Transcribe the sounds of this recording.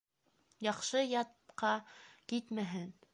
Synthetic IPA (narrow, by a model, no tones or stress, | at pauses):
jɑχʃɤjɑt̪qɑkit̪mæɦɘn